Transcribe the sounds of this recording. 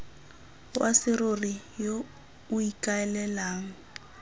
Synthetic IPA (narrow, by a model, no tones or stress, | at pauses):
wasɪrorijo | uikʼaɛlɛlaːŋ̩